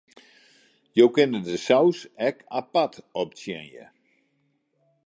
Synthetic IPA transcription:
jowkɪnədəsawsɛkapatɔp̚sjɛ̰njə̰

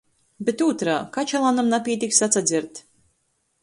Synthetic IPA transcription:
bet̪uːt̪ɾaːkat͡ʃalˠanamnapʲiɛt̪ʲiksat̪sad̪zʲiɾt̪

